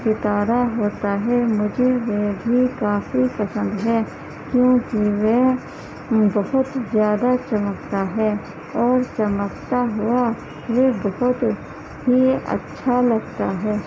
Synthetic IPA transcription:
sɪt̪aːɾaɦoːt̪aɦɛmʊd͡ʒʱeʋebʱikaːfipɐsə̃nd̪ɦɛː | kjõːkiʋe | bɐhʊt̪zjaːd̪at͡ʃɐmək̚t̪aɦɛ | ɔːɾt͡ʃɐməkt̪aɦʊa | ʋebɐɦʊt̪ | biɐ̰tːʃʰalɐɡt̪aɦɛː

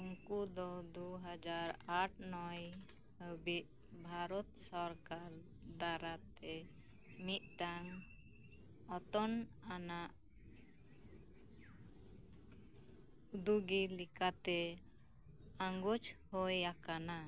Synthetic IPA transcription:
uŋkud̪ɔd̪uɦad͡ʒaɾaʈ̚ʰnɔj | həbiʔ̚ | bʱaɾɔt̪sɔɾkaɾ | d̪aɾat̪ɛ | mit̪̚ˀʈaŋ | ɔt̪ɔnanaʔ | ud̪uɡilikat̪ɛ | aŋɡut͡ʃhɔjakana

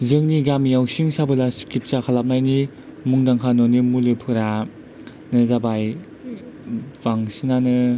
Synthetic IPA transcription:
zɯŋniɡamijawsiŋsabɯlasi̥kit̚sakʰalap̚najni | muŋdaŋkʰanɔnimulɯpʰɯɾa | nɯzabaj | v̥aŋsinanɯ

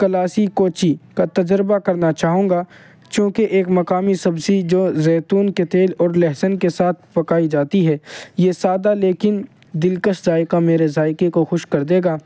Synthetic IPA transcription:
kɐlaːsikoːt͡ʃikat̪ɐd͡ʒɾbakɐɾnat͡ʃaːɦõːŋɡaː | t͡ʃjũːkeʔeːkmɐkaːmisɐbsid͡ʒoːzɛːt̪uːnket̪eːlɔːɾlɛɦsənkesaːt̪ʰpɐkaːid͡ʒaːt̪iɦɛːjesaːd̪aleːkɪn | d̪ɪlkəʃzaːɪkameːɾezaːɪkekoxʊʃkɐɾd̪eːɡaː

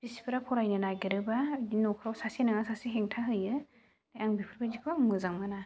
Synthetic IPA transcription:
b̥isi̥pʰɯɾapʰɔɾajnɯnaɡiɾɯbainokʰɾawsasenaŋasasiɦeŋtʰaɦɯjɯ | dajaŋbipʰɯɾbazikʰaŋmɯzaŋmana

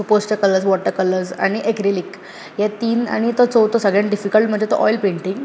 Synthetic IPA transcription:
suposʈekələɾzʋɔʈːəkələɾza̰ɽ̃iʔekɾilik | jɛt̪iːna̰ɽ̃it̪ət͡sɔwt̪osəɡɭẽɳɖifikəlʈm̤əɳd͡ʑet̪o̰ʔɔjlpẽɳʈiŋɡ

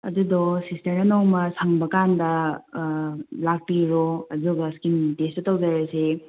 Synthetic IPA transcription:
ɐ̰dudɔsisteɾɐnɔwmɐsaŋbɐkandɐ | lak̚piɾoɐzuɡɐskintestɐtɐwzaɾɐse

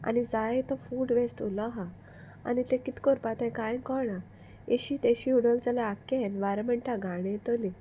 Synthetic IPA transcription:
a̰nid͡zajt̪ɔfuːɽʋesʈulɔɦa | a̰nit̪ekit̪kɔɾpat̪ɛ̃kajkɔɾɳa | eɕiːt̪ẽɕiuɽəld͡zalaakenʋaɾəməɳʈaɡʱaɽ̃et̪ɔli

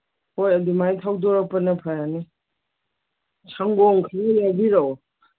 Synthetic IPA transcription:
hojɐdimajtʰawdɔɾapɐnɐpʰajani | sʰaŋɡɔŋkʰaŋilabiɾaw

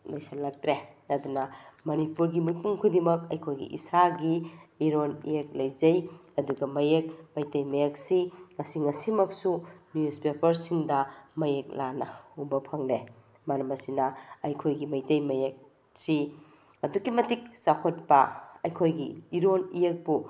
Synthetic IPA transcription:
mɐjsalɐk̚tɾeɐdunɐmɐnipuɾɡimipuŋkʰudimɐkɐjkʰojɡḭʔḭsaɡiiɾonḭjek̚lɐjd͡ʒɐjɐduɡɐmɐjekmɐjtɐjmɐjek̚siŋɐsiŋɐsimɐksunjuspepɐɾsiŋdɐmɐjek̚lanɐubɐpʰɐŋle | mɐɾɐmɐsinɐɐjkʰojɡimɐjtɐjmɐjek̚ | si | ɐdukimɐtik̚sakʰot̚pɐɐjkʰojɡiːɾonijek̚bu

